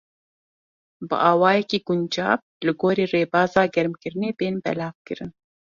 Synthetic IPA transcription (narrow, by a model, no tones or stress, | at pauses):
bɨ̰ʔɑːwɑːjɛkiːɡund͡ʒɑ̰ːp̚ | lɨɡoːɾiːreːbɑːzɑːɡɛɾmkɨɾɨneːbeːnbɛ̰laɑːvkɨɾɨn